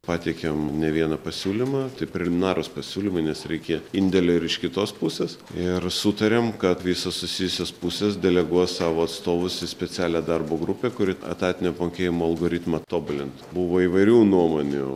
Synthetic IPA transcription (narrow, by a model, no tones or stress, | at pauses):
pɑːt̪ʲɛɪkʲɛmnʲɛʋʲiɛnɐpɐsʲuːlʲɪmɐːt̪ɐɪpʲɾʲɛlʲɪmʲɪnɑːɾospɐsʲuːlʲɪmɐnʲɛsɾʲɛɪkʲeɪnʲd̪ʲɛlʲoːɪɾɪʃkʲɪt̪oːspʊsʲeːsɪrsut̪ɐɾʲemkɐt̪ʋʲiːsɐssʊsʲiːjʊsʲospusʲɛsd̪ʲɛlʲɛɡuɔsɑːʋoːɐt̪st̪oːʋʊsɪsʲpʲɛt͡sʲæːlʲæːd̪ɐrboːɡɾʊpʲeːkʊɾʲɪɐ̰t̪ɑːt̪ʲɪnʲɛpoːŋʲkʲeːjɪmoːɐlˠɡoːɾʲɪt̪mɐt̪oːbʊlʲɪnt̪bʊʋoːiːʋɐɪɾʲuːnuɔmoːnʲʊ̰